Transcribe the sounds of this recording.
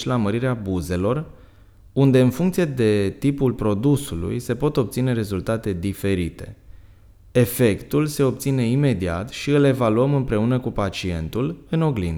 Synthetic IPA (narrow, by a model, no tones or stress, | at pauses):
t͡ʃlaməɾiɾeabuze̞lo̞r | und̪e̞ɨnfuŋkt̪sije̞d̪e̞t̪ipulpɾo̞d̪usulṵjse̞po̞t̪o̞p̚t̪sine̞ɾe̞zult̪at̪e̞d̪ife̞ɾit̪e̞̰ | efe̞kt̪ulse̞o̞p̚t̪sine̞ime̞d̪ia̰t̪ʃiɨle̞valuəmɨmpɾe̞unəkupat͡ʃie̞nt̪ulɨno̞ɡlḭn